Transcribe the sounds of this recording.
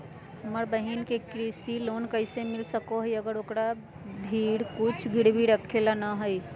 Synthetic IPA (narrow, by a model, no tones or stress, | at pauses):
ɦəməɾbəɦinkekɾisilonkəɪsemilsəkoɦəjəɡəɾokɾa | bʱiɽkut͡ʃʰɡʱiɽbʱiɽəkʰːelanəɦəj